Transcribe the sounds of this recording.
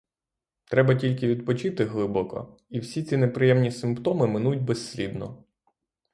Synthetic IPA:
t̪ɾɛbɐtʲilʲkɪʋʲid̪̚pɔt͡ʃɪt̪ɪɦlˠɪbɔkɔ̰ | iwsʲit͡sʲinepɾɪjɛmnʲisɪmpt̪ɔmɪmɪnujʊd̚ʲbesːʲlʲid̪nɔ̰

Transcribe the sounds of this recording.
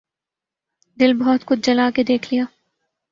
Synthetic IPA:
d̪ɪlbɔːt̪kʊt͡ʃd͡ʒɐlaːked̪eːkʰlijaː

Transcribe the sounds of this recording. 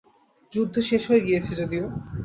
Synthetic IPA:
d͡ʑud̪ʱːoʃeʃɦoeɡijet͡ɕʰed͡ʑod̪io

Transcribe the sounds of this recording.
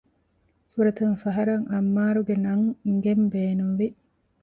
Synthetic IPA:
fuɾɐt̪unfɐɦɐɾɐŋʔɐmːaːɾuɡenɐŋŋɡembeːnuʋi

